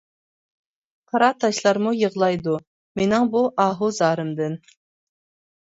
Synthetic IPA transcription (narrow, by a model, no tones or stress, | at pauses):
qʰɑɾɑt̪ʰɑʃlˠɑɾmujəʁlˠɑjd̪u | menɪŋbuʔɑːɦuzɑːɾɨmd̪ɨn